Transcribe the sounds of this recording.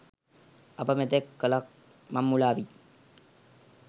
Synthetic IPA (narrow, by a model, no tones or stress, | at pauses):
ɐpɐmet̪ekːɐlɐk̚ | mɐmːulaːʋi